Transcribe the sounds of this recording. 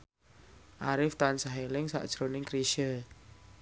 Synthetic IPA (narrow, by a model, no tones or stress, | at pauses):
ʔaɾɪft̪ansaɦelɪŋsa̰ʔd̥ʒ̥ɾonɪŋkɾiʃə